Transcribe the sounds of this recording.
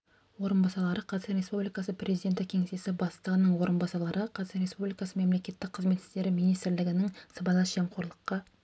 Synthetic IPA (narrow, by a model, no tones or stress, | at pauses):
wo̞ɾənbɑsɑlˠɑɾəqʰɑzɾe̞spublijkɑsəprʲʔe̞zid̪ʲe̞nt̪ɪkʲʰe̞ŋesesɪbɑst̪əʁənəɴwo̞ɾənbɑsɑlˠɑɾəqʰɑɾʲe̞spublʲijkɑsəme̞mle̞kʲe̞t̪ːɪk̚qʰːəzme̞t̪ɪ̥st̪e̞ɾɪmijnijst̪ɾlɪɡʲɪnɪŋsɑbɑlˠɑʒe̞ɴqʰoɾlˠəqːɑ